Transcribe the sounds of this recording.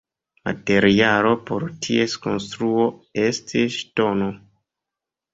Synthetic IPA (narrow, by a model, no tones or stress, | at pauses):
ma̰te̞ɾialo̞po̞ɾtʰiesko̞̰nstɾuo̞e̞stʰiʃto̞no